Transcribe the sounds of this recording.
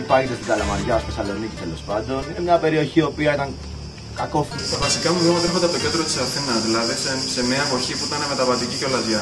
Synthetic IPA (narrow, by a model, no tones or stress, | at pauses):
pɐʝit̪est̪ɡɐlɐmɐɾʝɐost̪esɐlo̞nicit̪elo̞spɐnd̪o̞ninemɲɐpe̞ɾio̞çio̞piɐit̪ɐŋ | kɐko̞ft̪it̪ɐvɐsikɐmuðiomɐt̪ɾexod̪eɐp̚t̪oced̪ɾot̪isɐθinɐzðilɐðisese̞miɐpo̞çipuit̪ɐneme̞t̪ɐvɐt̪iciceolɐzɐ